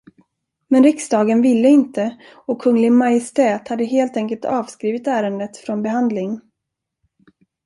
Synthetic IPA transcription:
mɛnɾɪksd̪ɑːɡənvɪlːəɪnt̪ə | ɔkʰːɵŋːlɪɡmajɪst̪ɛːt̪had̪ːəɦeːlt̪ɛŋkəlt̪ʰɑːvskɾiːvɪt̪æːɾənd̪ət̪fɾɔnbɛɦand̪lɪŋ

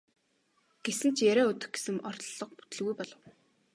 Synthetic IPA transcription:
ɡ̥esɘ̆nt͡ɕʰjæɾæːɵt̪ɵ̆x̚ɡe̥sɘ̆mɔrt̪ɮɞ̆q̚pu̥t̪ɘ̆ɮɣujpɔɮɞ̆w

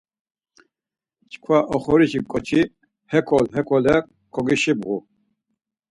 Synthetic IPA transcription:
t͡ʃʰkʰwaʔɔχɔɾit͡ʃikʼɔt͡ʃʰi | hɛkʰɔlɦɛkʰɔlɛ | kʰɔɡiʃibɣu

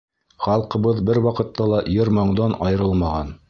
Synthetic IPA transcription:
χɑlˠqɤ̆βɤðbɘɾwɑqɤ̆t̪ːɑlˠɑjɤɾmɑɴd̪ɑnɑjɤ̆ɾɤlˠmɑʁɑn

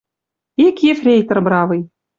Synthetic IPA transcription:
ikʲjefrʲejt̪ɤ̆rbɾɑvɤj

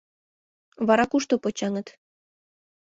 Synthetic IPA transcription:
βɑɾɑkuʃt̪opot͡ɕɑŋə̆t̪

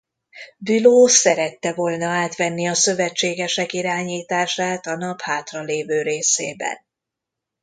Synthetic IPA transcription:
byloːsɛɾɛt̪ːɛvoːlnɒaːt̪ʋɛnːiɒsø̞vɛt͡ʃːeːɡɛʃɛkiɾaːɲiːt̪aːʃaːt̪ɒnɒphaːt̪rɒleːvøːɾeːsḛːbɛ̰n

